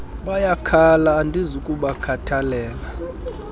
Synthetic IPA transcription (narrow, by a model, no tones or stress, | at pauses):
ɓajakʰalaːndʱizukʼuɓakʰatʰalɛːla